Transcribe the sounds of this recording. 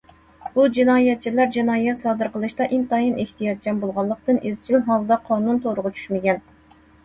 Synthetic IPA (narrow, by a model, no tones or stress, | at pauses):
b̥ud͡ʒinɑːjɛt̪̚t͡ʃʰilæɾd͡ʒinɑːjɛt̪sɑːd̪ɨɾqəlˠɨʃt̪ɑʔint̪ɑjinʔɪht̪ʰijɑt̪̚d͡ʒɛmbolˠʁɑlˠːəq̚t̪ɨnʔezt͡ʃʰinɦɑlˠd̪ɑqʰɑːnunt̪ʰoɾʊʁʊt͡ʃʰy̥ʃmɪɡʲɛn